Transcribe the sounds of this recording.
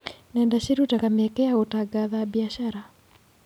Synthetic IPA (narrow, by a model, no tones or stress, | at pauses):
nɛndaʃiɾutakamɛkɛaotaɡaðabiaʃaɾa